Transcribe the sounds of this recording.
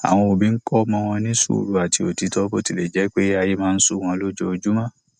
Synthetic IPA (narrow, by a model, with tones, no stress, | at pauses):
a̰˨w̃ɔ̃˧o˨bĩ˨˦ŋ̩˦kɔ˦mɔ̃˧w̃ɔ̃˧nĩ˦sṵ˦˨ɾu˨˦a˨ti˧o˨ti˨˧tɔ˦bo˧ti˧˨le˨d͡ʒɛ˨˦k͡pe˦a˧ji˦mãː˦˧n̩˦su˦˨w̃ɔ̃˧lo˦d͡ʒo˦o˧d͡ʒu˦mã˦˨